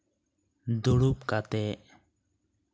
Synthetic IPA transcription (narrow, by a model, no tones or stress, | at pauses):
d̪uɽup̚kat̪ɛ